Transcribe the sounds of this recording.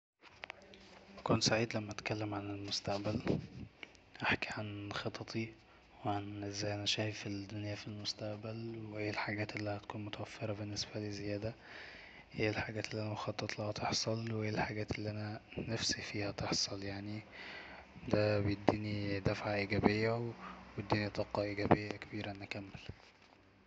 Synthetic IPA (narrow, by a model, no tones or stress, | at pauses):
ʔækunt̪saʕiːd̪læmːæʔæt̪kælːemʕanelmost̪æʔbæl | ʔaħkiʕanxɑt̪ˤʰɑt̪ˤʰi | weʕanʔezːæːjʔænæʃæːhfid̪ːonjæfilmost̪æʔbælwweʔeːlħaɡæːt̪ʔelːihæt̪̚kuːnmot̪æwæfːeɾˤɑbenːesbælezejæːd̪æ | ʔeːlħaɡæːt̪elːiʔænæmxɑt̪ˤːɑt̪ˤlɑhæt̪ʰeħsˤɑlwʔeːlħaɡæːt̪elːiʔænænæfsifiːhæt̪eħsˤɑljaʕni | d̪æbejed̪ːiːnid̪æfʕaʔiɡæbejːæwwjed̪ːiːnit̪ˤɑːqɑʔiɡæbejːækebiːɾæʔnʔækæmːel